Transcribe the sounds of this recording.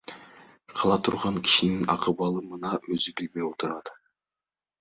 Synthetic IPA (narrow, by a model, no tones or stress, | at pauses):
qʰɑlˠɑt̪ʰuɾʁɑŋkʲʰi̥ʃininɑ̰qɯβɑlˠɯmɯnɑøzybilbe̞jot̪ʰuɾɑd̪